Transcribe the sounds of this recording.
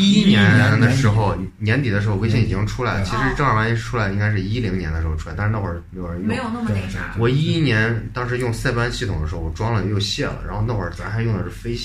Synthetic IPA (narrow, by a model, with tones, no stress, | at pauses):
i˥njɛ˧˥nd̪ə˧ʂɻ̩˧˥xo˧ʊnjɛ˧˥nt̪i˨˩d̪ə˦ʂɻ̩˧˥xo˧we˥ɪɕ̬jɛ˥˩ni˨˩t͡ɕi˥ŋʈ͡ʂʰu˥la˧˥ɪlə˧ə˧t͡ɕʰi˧˥ʂɻ̩˧˥ʈ͡ʂɤ˥˩˧ŋ˧˥˩ma˧˥˩ʈ͡ʂʰu˥la˧˥ɪə˧i˥ŋka˥ɪʂ̬ɻ̩˥˧i˥li˧˥ŋnjɛ˧˥nd̪ə˧ʂɻxo˧ʈ͡ʂʰu˥˧˥n˥˩xwə˞˥˩˥e˧˥jo˨˩ɻə˧˥˧je˧˥jo˨˩ʊnə˥˩m˩˥wɔ˨˩i˥i˥njɛ˧˥nt̪ɑ˥ŋʂ̬ɻ̩˧˥jʊ˥˧ŋsa˥˩ɪpa˥nɕi˥˩t̪ʰʊ˨˩ŋd̪ə˧ʂɻ̩˧˥xʊɔ˨˩ʈ͡ʂwɑ˥ŋlə˨jjo˥˧ʊɕjɛ˥˩lə̰˩ɻa˧˥nxo˥˧ʊna˥˩wə̰˞˧˥˩t͡sə˨˩a˧˥xʰjʊ˥˩d̪ə˩ʂɻ̩˥˩fe˥ɪ